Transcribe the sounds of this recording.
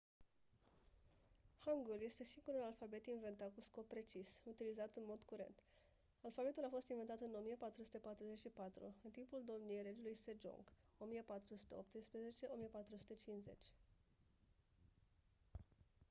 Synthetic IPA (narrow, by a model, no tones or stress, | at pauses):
haŋɡulje̞st̪e̞siŋɡuɾulalfabe̞t̪inve̞nt̪at̪̚kusko̞pːɾe̞t͡ʃisut̪ilizat̪ɨnmo̞d̪kuɾe̞̰nt̪ | alfabe̞t̪ulafo̞st̪invent̪at̪ɨno̞mijepat̪ɾusu̥t̪e̞pat̪ɾuze̞t͡ʃʃipat̪ɾṵɨnt̪impuld̪o̞mnijejɾe̞d͡ʒulujsed͡ʒo̰ŋɡ | o̞mijepat̪ɾusu̥t̪e̞op̚t̪ɨspɾe̞ze̞t͡ʃe̞ʔo̞mijepat̪ɾusu̥t̪e̞t͡ʃinze̞̰t͡ʃʲ